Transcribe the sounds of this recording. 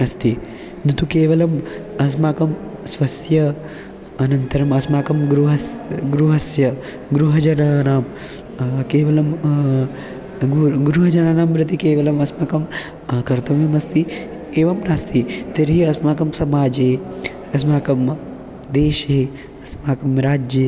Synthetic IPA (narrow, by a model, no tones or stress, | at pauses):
ɐst̪i | nɐt̪ukeːʋɐlɐmɐs̬maːkɐmsʋɐsjɐ | ɐnɐnt̪ɐɾɐmɐsmaːkɐmɡɾuɦɐsɡɾuɦɐsjɐ | ɡɾuɦɐd͡ʒɐnaːnaːm | keːʋɐlɐm | ɡuɡɾuɦɐd͡ʒɐnaːnaːmɾɐt̪ikeːʋɐlɐmɐsmaːkɐm | kɐɾt̪ɐmɐmɐst̪i | eːʋɐmnaːst̪ʰit̪eɾɦiɐsmaːkɐmsɐmaːd͡ʒɦeː | ɐsmaːkɐm | d̪eːʃɦeː | ɐsmaːkɐmɾaːd͡ʒjɐ